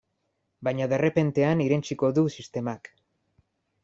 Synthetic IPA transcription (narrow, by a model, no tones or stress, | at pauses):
bajɲaðe̞re̞pe̞nt̪e̞aniɾent͡ʃiko̞ðusist̪e̞mak